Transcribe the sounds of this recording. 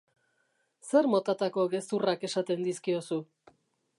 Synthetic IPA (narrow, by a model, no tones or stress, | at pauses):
se̞ɾmo̞t̪at̪ako̞ɣe̞st̪urake̞sat̪e̞nd̪iskio̞su